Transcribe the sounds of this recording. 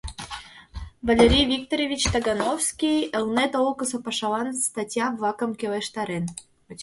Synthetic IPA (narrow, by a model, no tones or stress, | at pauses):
vɑlʲeɾʲijvʲik̚t̪oɾʲevʲit͡ɕt̪ɑɡɑnowskʲijəlnet̪olkəsŏpɑʃɑlɑnst̪ɑtʲjɑbvɑkə̆mkeleʃt̪ɑɾen